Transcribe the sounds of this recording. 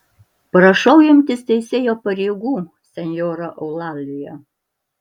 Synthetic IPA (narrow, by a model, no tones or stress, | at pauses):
pɾɐʃɐʊɪmʲt̪ʲɪst̪ʲɛɪsʲeːjoːpɐɾʲeːɡuː | sʲɛnʲjoːɾɐʔɐʊlˠɑːlʲɪjɛ